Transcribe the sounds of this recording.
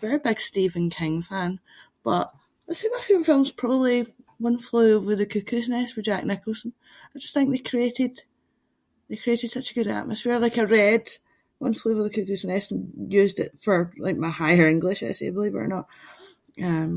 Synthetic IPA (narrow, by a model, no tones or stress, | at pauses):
vɛɹibɪɡ̥stivə̃nkʰɪ̃ŋfãn | b̥ʌʔ | ətsemaɪfʉə˞fɪlˠmz̥pʰɹ̥ɔbəblˠiwʌ̃nflˠʉwɪðəkʰʉkʰʉsənɛsfə˞d͡ʒaknɪkəl̩ˠsə̃n̩ | aɪd͡ʒʌsθɪ̃ŋk̚ðekʰɹ̥ieʔɪd̥ | ðekʰɹ̥ieʔɪd̥sʌt͡ʃəɡʉɾa̰ʔməsfiɹlˠaɪkəɹɛd̥ | wʌ̰̃nflˠʉwəðəkʰʉkʉsnɛsə̃n̩jʉːzdɪ̰ʔfə˞lˠa̰ɪk̚maɪhaɪə˞ɪ̃ŋɡlˠɪʃaɪsḛbəlˠivə̰ə̰nəʔ | ʌ̃m